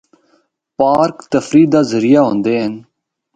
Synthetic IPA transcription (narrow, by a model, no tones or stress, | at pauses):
paːɾkt̪əfɾiːd̪aːzəɾijaːɦõːnd̪eːn